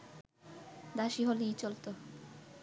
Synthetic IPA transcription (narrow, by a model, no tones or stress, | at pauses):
d̪aʃiɦolit͡ɕolt̪o